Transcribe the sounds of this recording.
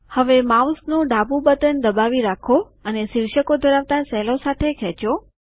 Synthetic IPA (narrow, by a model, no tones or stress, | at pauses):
həʋemawsnũɖabũbət̪ənd̪əbaʋiɾakʰo | ənesiɾʃəkod̪ʱəɾaʋt̪asɛlosat̪ʰekʰɛt͡ʃo